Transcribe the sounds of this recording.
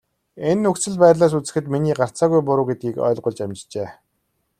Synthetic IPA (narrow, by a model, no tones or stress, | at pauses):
enːɵkt͡sɘ̆ɮpæːtɮaːs̬ut͡sɘ̆xɘ̆t̪miniːɢar̥t͡saːɣujpʊɾʊːɡet̪̚ɡʲiːkœ̰ːɮɢʊ̆ɮt͡ɕamt͡ɕt͡ɕeː